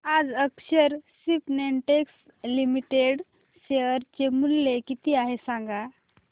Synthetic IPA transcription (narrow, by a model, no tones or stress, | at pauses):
ad͡zəkɕəɾsipneɳʈeks | limiʈeɽ | ɕeəɾt͡ɕemulːekit̪iːaɦesãŋɡa